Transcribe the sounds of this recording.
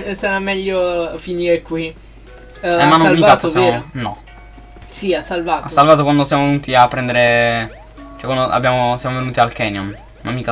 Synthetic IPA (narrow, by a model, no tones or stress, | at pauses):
sanamɛʎːofiniːɾekwi | ɛmanːomlmːiaat̪osjmːonɔ̰ | siasːalvaːtassːalvaːt̪̬okwand̪osjamovenuːt̪iapːɾɛnd̪eɾe | t͡ʃɛkwand̪oʔa̰bːjaːmosjamovenuːt̪ialkɛnjɔn | ma̰mːika